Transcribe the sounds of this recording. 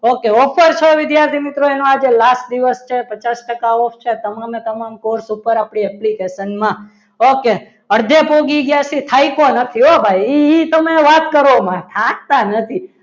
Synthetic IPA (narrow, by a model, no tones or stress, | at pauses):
okeɔfʰəɾt͡ʃʰeʋɪd̪jaɾt̪ʰimɪt̪ɾoenoad͡ʒelasʈd̪iʋəst͡ʃʰepət͡ʃasʈəkaofʰt͡ʃʰet̪əmamet̪əmamkoɾsupəɾapɽiɛplikeʃənmã | oke | əɽd̪ʱepoɡiɡjasit̪ʰaikonət̪ʰiobʱajiit̪əmeʋat̪kəɾomãt̪ʰãk̚t̪anət̪ʰi